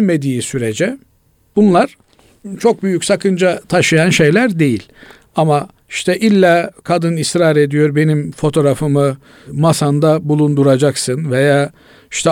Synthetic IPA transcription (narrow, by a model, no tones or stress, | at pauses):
me̞d̪iːsyɾed͡ʒɛ | bunlˠaɾ̥ | t͡ʃʰo̞k̚byjycʲsakɯnd͡ʒat̪ʰaʃɯjanʃe̞jlʲæɾd̪e̞jilʲ | ama | iʃt̪ʰɛʔilʲːakʰad̪ɯnisɾaːɾe̞d̪ijo̞ɾbe̞nimfo̞t̪ʰo̞ɾafɯmɯ | masand̪abulˠund̪uɾad͡ʒaksɯnvejaː | iʃt̪ʰɛ